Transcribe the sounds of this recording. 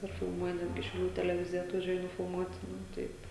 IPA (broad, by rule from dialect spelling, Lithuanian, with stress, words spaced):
ɪr fʲɪlˠˈmuɔjɛ ˈnʲæːdʲɡʲɪ ʃʲɛʊˈlʲuː tʲɛlʲɛˈʋʲɪzʲɪjɛ ɐtʋɐˈʒʲuɔjɛ nʊfʲɪlˠˈmuɔtʲ ˈnʊ ˈtɐɪp